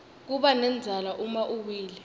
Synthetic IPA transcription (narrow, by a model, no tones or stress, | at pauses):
k̬uɓanɛnd͡zʱalaʔumaʔuwiːlɛ